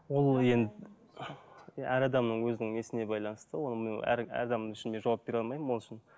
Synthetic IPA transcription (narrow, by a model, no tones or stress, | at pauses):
wo̞lˠje̞nd̪ɪ | æɾɑd̪ɑmnəɴwɵzɪnɪŋe̞sɪne̞bɑjlˠɑnəst̪əwo̞nəmenæ̰ɾæ̰ɾd̪ɑmnəŋɪʃɪnd̪e̞ʒɑwɑp̚be̞ɾɑlˠmɑjməmwo̞lˠɪʃɪn